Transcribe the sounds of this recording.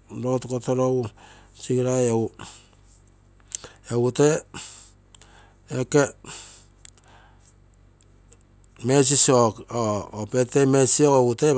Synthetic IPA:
ɾotukotoɾowut͡ʃiɡiɾajow | eute | eke | mes̬isiokoopetemesiokoute

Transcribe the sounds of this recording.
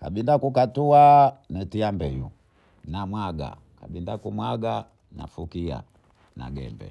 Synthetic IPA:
kaɓindakukatuanɛtiambɛjṵ | namwaɡa̰ | kaɓindakumwaɡa | na̰fukia̰ | na̰ɡɛ̰mbɛ̰

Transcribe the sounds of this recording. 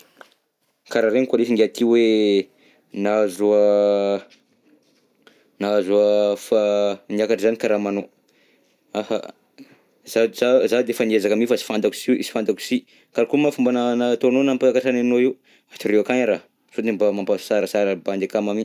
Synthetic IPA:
kaɾaɾeŋikalifiŋɡeat̪ʰiwe | nazua | nazuəfaniakaʈ͡ʂzanikaɾamano | afa̰ | zazazad̪eefaniezakamifasi̥fand̪aku̥siḭsi̥fand̪aku̥si | kaɾakumafumbananat̪ononampaakaʈ͡ʂananoiw | aʈ͡ʂiɾeakaɲaɾa | sod̪embamampḁsaɾəsaɾəband̪ekamami

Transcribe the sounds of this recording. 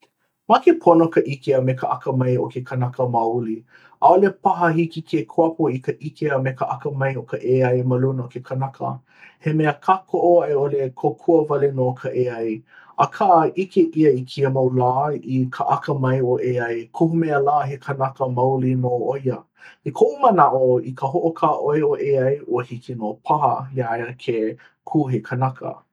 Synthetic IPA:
makepʰonokɐʔikeəmekəʔɐkəmɐjokʰekʰənɐkəmɐuli | aolepɐɦəhikikʰekʰoɐpuikəʔikeəmekəʔɐkəmɐjokəʔeɐjmɐlunəokekʰɐnɐkʰə̰ | hemeəkʰakʰoʔoɐeolekʰokʰuəvɐlenoːkʰəʔeɐj | ɐkʰaʔʔikeʔiəikʰiəmɐwlaːikʰəʔɐkəmɐjoʔeɐjkʰohumeəlaːɦekʰənɐkəmɐwlinoojə | ikʰoʔumənaʔoikʰəɦoʔokʰaːʔoeoʔeɐjoəhikinopʰahəjaeəkʰe | kʰuːɦekʰənakʰə̰

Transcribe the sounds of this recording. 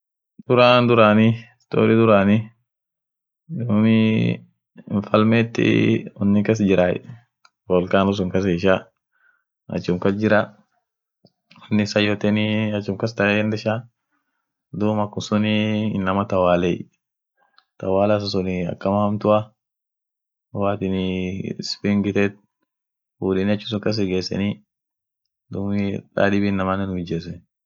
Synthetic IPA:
d̪̥ʊɾaːnd̪ʊɾanist̪o̰ːɾɪd̪ʊɾaːni | dʊmɪ | ɱfɐlmeːt̪ːɪ̰ɔnːɪkɐs̬d͡ʒɪɾa̰ | bɔlkaːnʊs̬ʊŋkɐseːʃa | ɐ̰t͡ʃːʊmkɐsd͡ʒɪɾa | ɔnːɪsɐjɔt̪ɛniɐt͡ʃːʊmkɐst̪ɐnd̪ɛʃa | d̪uːmɐkːʊsʊninːɐmɐt̪ɐwaːlɛ | t̪ɐwaːlas̬ɐsʊnɪɐ̰kːɐmɐhɐmt̪ʊʔɐ | waːt̪ɪnɪspɪŋɡɪt̪ɛt̪̚ | fuːᶑɛnɪɐt͡ʃːʊs̬ʊŋkɐs̬ɛɡeːsːɛ̰ni | d̪uːmɪᶑa̰ːdɪbinːɐmanːɛnhʊd͡ʒːesɛ

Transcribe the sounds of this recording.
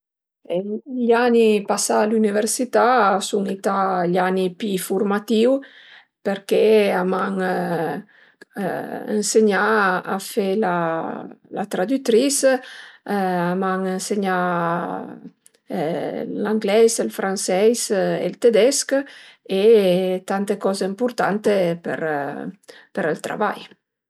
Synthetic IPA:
eʎanipasalyniveɾsit̪asuŋit̪aʎanipifuɾmat̪iw | peɾkeamaŋ | ḛnseɲaa̰fela | lat̪ɾad̪yt̪ɾis | amaŋenseɲa | laŋɡlɛzelfɾansɛjzḛlt̪ed̪ɛsket̪ant̪ekɔzeimpuɾt̪ant̪epə̰ɾ | pəɾɛlt̪ɾa̰va̰j

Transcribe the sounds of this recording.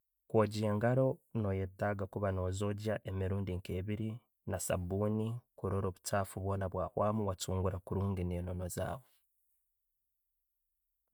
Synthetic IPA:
kwoːɟieŋɡaɾo̞no̞jetːaɡakuβano̞ːzo̞ɟaʔemiɾuːndiŋkeːβiɾi | nasa̰buːnikuɾoɾo̞ːβutaːfuβwo̞ːnaβwaːhwaːmuwat͡suːŋɡuɾakuɾuːŋɡeneːno̞no̞za̰ːwo

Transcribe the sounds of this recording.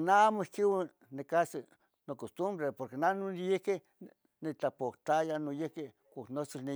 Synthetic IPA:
naamoihkiwa | nekasi | nokost̪umbɾepoɾkenanonjehke | nit͡ɬapoht̪ajanojehke | kʷaknot͡sini

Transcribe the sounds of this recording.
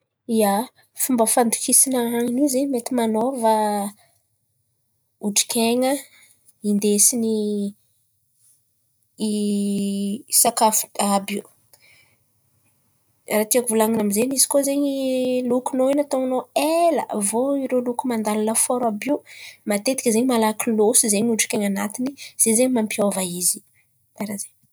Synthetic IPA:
ija | fumbəfand̪u̥kisinaaŋinizeɲmet̪imanovə | uʈ͡ʂi̥kʲʰeŋə | ind̪esini | sakafabiu | rat̪iakuvulaŋinamizenizi̥kozeɲilukunoinat̪oŋnoelə̰voiɾolukumand̪alanəfɔɾabiwmat̪et̪ikəzeɲimalakilosizeɲuɖ͡ʐi̥kʲeŋanat̪iniz̥ezeɲimampiovaizi | b̥eɾazeɲ

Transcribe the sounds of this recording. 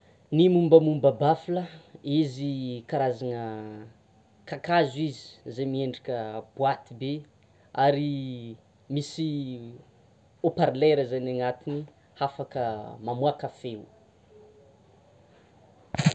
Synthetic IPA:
nimumbəmumbəbafiləizikaɾazanə | kakazuizi̥zemieɳɖ͡ʐikʲəb̥uat̪ibe | aɾi | misi | opaɾleɾəzananat̪ini | hafakəmamuakafeu

